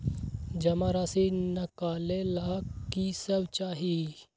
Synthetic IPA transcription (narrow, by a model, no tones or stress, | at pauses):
d͡ʒɐmaɾaːsinɐkaːlelakisəbt͡ʃaːɦi